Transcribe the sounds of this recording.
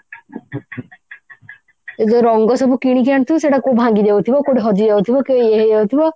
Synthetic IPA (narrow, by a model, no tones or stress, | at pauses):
ed͡ʒoɾɔŋɡɔsɔbukiɽ̃ik̬iañt̪ʰuseʈakobʱãŋɡid̪ewt̪ʰibɔkoɽiɦɔd͡ʒiewt̪ʰibɔkeeɦeewt̪ʰibɔ